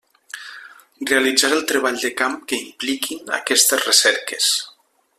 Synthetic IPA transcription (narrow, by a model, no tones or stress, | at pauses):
realid͡zaɾəlˠt̪ɾeβ̞aʎd̪əkamkəimplikʰina̰kɛst̪ezrəsɛɾkes